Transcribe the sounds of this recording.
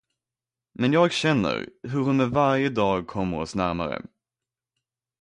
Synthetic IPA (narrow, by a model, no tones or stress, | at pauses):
mɛnjɑːɡɕɛnːə̰ɾɦɵɾhʊnmɛvaɾjəd̪ɑːɡ̚kʰɔmːəɾɔsnæɾma̰ɾə̰